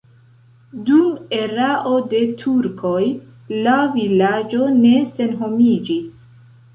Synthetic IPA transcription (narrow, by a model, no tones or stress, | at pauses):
dume̞ɾaʔo̞de̞tʰuɾkʰo̞j | lavilad͡ʒo̞ne̞se̞nɦo̞mid͡ʒis